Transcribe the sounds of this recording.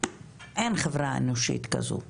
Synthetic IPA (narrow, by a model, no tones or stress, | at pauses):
ʔenχevʁaḛnoʃḭt̪ka̰zṵ